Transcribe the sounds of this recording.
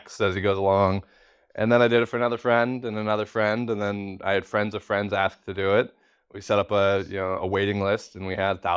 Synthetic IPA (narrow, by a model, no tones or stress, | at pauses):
ksɨziɡoʊzəlɔ̃ŋ | ʔɨ̃nðə̃ñaɪdɨɾɨtfə˞ɨnʌðə˞fɹɛ̃ndɨ̃nɨnʌðə˞fɹɛ̃ndɨ̃nðɨ̃na̰ɪɨd̥fɹɛ̃ndzʌv̥fɹɛ̃ndzæsk̚tʰɨdɨɪt̚ | wisɛɾʌpəjɨ̰noʊə̰weɪɾɪ̃ŋlɪstɨ̃n̩wiɨd̪̥̚θaʊ